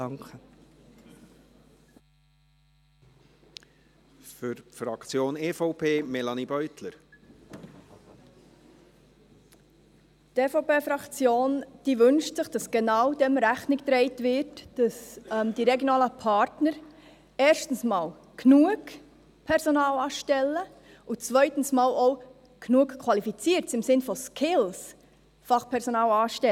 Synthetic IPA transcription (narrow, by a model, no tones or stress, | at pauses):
ŋkə | fʏɾfɾɑkt͡sjoːneːfɔʊpʰeːmɛlɑnibœʏt̪ləɾ | teːfoʊpeːfɾɑkt͡sjoːnd̥iːʋɵnʃtsɪχd̥ɑsɡ̥enɑwdɛmɾæχnɪktɾɛɪtʋɪɾtd̥ɑsɛmd̥iɾɛɡjonɑːləpʰɑɾtnəɾ | ɛːɾʃtn̩smɑːl | kʰnuəɡ | pʰɛɾsonɑːlɑːʃtɛlːə | ut͡svœʏtən̩smɑːloʊ | knuəkkʰːwɑlifit͡siːəɾtt͡sɪmsɪnfɔskʰɪls | fɑχpʰɛɾsonɑːlɑːʃtɛ